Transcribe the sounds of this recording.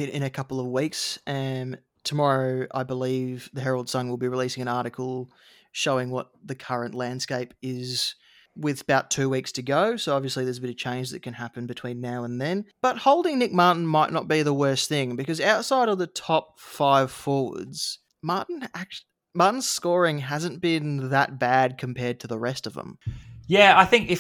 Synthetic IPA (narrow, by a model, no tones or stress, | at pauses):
ɨ̃ɪ̰̃nɨkʰʌpl̩ˠʌvwiksʌ̃m | tʰəmɑɹoʊa̰ɪbəlivðɨɦɛɹl̩ˠd̥sʌ̃ŋwəlˠbiɹɨlisɪ̃ŋɨ̃ñɑɹɾɨkʰl̩ˠ | ʃoʊɪ̃ŋwʌt̪̚ðɨkʰʌɹɨ̃nʔlæ̃nd̥skeɪpɪz | wɪðəbaʊtʰʉwikstʰɨɡoʊsoʊɑbviɨsliðə˞zəbɪɾʌv̥t͡ʃʰẽɪ̃nd͡ʒðɨ̰t̚kɨ̃nɦæpɨ̃n̩bɨtʰw̥ĩnːaʊə̃nðɨ̃nb̥ʌt̚hoʊlˠdɪ̃ŋnɪk̚mɑɹʔn̩maɪʔⁿnət̚b̥iðəwɜ˞sθɪ̃ŋbɨkʌzaʊtsaɪɾʌvðɨtʰɑp̚faɪv̥fɔɹwə̰˞dz̥ | mɑɹʔn̩æk̚ | mɑɹʔn̩z̥skɔɹɪ̃ŋɦæzɨ̃nb̥ɪ̃nðət̚b̥æd̚kʰɨ̃m̩pʰɛɹd̚tʰɨðəɹɛstʌvə̰̃mjæaɪθɪ̃ŋkɨ